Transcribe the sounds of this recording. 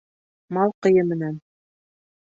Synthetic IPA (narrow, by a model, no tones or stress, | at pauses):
mɑlˠqɤ̆jɤmɘ̆næn